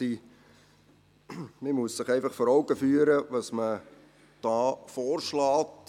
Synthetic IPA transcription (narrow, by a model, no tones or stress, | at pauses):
iː | mimuəsːɪχɛɪfɑχfɔɾɔʊɡəfyːəɾəʋɑsmə | d̥ɑːfɔːrʃlɑːt